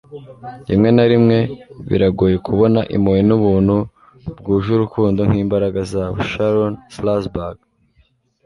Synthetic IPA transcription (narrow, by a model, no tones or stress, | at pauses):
jḭmŋe̞naɾimŋe̞βḭɾaɡuje̞kʰuβo̞naʔḭmojinuβuːnhu | bɡuːʒuɾukuːndoŋ̥hiːmbaɾaɡazaβuʃaɾonslasbaɡ